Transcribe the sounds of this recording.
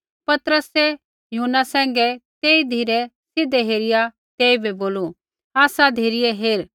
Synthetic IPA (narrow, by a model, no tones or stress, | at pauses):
pɐt̪əɾəsɛ | juːnasɛ̃ːŋɡɛt̪eːid̪ʱiːɾɛ | sɪd̪ɛɦeːɾɪja | t̪eːibʱɛboːlu | aːsad̪ʱeːɾɪjɛɦeːɾ